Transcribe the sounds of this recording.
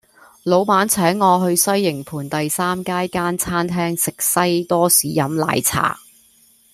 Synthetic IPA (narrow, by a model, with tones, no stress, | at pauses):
lo˨˧wpaː˨˥nt͡sʰɛː˨˥ŋːɔː˨˧ɦɵ˧ɥsɐ˥jːɪ˨˩ŋpʰuː˨˩nt̪ɐ˨jsaː˥mkaː˥jkaː˥nt͡sʰaː˥nt̪ʰɛː˥ŋsɪ˨k̚sɐ˥jt̪ɔː˥siː˨˥jɐ˨˥mla̰ː˨˧jt͡sʰa̰ː˨˩